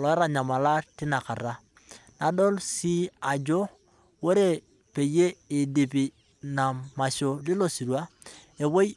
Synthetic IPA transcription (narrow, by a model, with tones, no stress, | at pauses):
lɔ˨˦ɾa˦˨ɲa˨ma˨la˦tɪ˦na˨ka˨ɾa˦ | na˨do˦lsi˦a˨d͡ʒo˦ | wo˦ɾe˨ | pe˨je˦i˨di˨pi˨ | na˨ma˨so˦˨li˦lo˦˨si˨ɾwa˦ | e˨wo˦j